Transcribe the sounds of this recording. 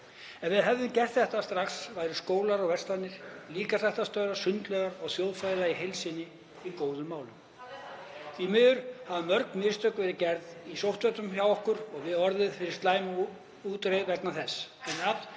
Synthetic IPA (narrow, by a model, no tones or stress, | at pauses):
ɛnvɪðɦɛvðɪncɛr̥t̪θɛht̪ast̪ɾaxsvaːjɾʏskoːwlaɾɔɣvɛ̥st̪anɪɾ̥liːkasɛjht̪ast̪œɥɾḁsʏnt̪lœɣaɾɔɣθjowðfalaiɦejlsɪnɪ | ikoːwðʏmːaːwlʏm | θvimɪðʏɾ̥havamœɾk̚nmɪst̪œkvɛːɾɪcɛɾðisowht̪vœt̪ʏmçawɔhkʏɾɔɣvɪðɔɾðɪðfɪɾɪɾ̥st̪laːjm | uːt̪ɾejðvɛknaθɛsɛnːat̪